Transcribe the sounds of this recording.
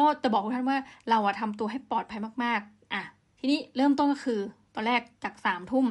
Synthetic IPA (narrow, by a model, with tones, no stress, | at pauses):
kɔː˥˩t͡ɕa˨˩bɔː˨˩k̚ʰːt̪ʰa˥˩waː˥˩ɾa˧wʔa˨˩t̪ʰa˧mt̪̬u˧əɦa˥˩jpɔː˨˩t̪̚pʰa˧jmaː˥˩k̚maː˥˩k̚ | ʔa˧˩ | t̪ʰiː˧niː˦˥˩ɾɤː˥˩mt̪̬o˥˩nk̬ɔː˥˩kʰɯː˧t̪ɔː˧nɾɛː˥˩k̚t͡ɕaː˨˩k̚saː˩˦mt̪ʰu˥˩m